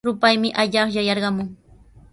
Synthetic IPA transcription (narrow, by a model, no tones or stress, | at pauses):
ɾʊpajmɪʔaʎɑχjajɑɾɢɑmʊŋ